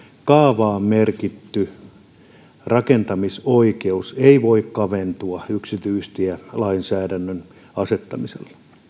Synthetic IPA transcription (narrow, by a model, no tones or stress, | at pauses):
kɑːʋɑːmmerkit̪ːy | rɑkent̪ɑmisoikeuseiʋoikkɑʋent̪uɑyksit̪yist̪iælɑinsæːdænːøn | ɑset̪ːɑ̰misḛlːɑ̥